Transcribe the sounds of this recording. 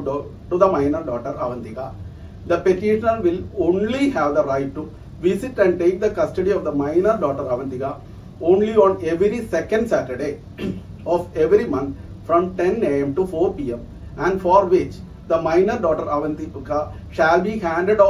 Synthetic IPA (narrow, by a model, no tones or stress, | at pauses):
ʈud̪ɐmaɪnəɾɖɔːʈəɾɐ̰ʋɐ̃nt̪ika | d̪ɐpeʈiʃənəlʋɪlõːnlihæːʋd̪ɐɾaɪʈːu | ʋisiʈɛ̃ɳɖ̚ʈeːk̚d̪ɐkɐsʈɐɖiɔːfd̪ɐmãɪnəɾɖɔːʈəɾɐʋɐ̃nt̪iɡa | õːnliɔ̃ːneʋɾisɛkə̃ɳɖsæːʈəɾɖe | ɔːʋeʋɾimɐ̃nt̪ | fɾɔ̃mʈẽneːẽmʈufoːɾpiːẽm | æ̃ɳɖfɔːɾʋɪt͡ʃ | d̪ɐmãɪnəɾɖɔːʈəɾɐʋɐ̃nt̪iɡa | ʃælbihæ̃ːɳɖeɖɔ